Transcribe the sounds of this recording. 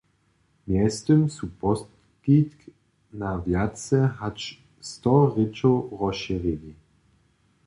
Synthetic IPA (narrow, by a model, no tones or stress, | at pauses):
mjɛst̪ʏmsupɔst | kit̪k | navjatt͡sɛɦat͡ʃ | st̪ɔʁɪt͡ʃowʁɔʃiʁili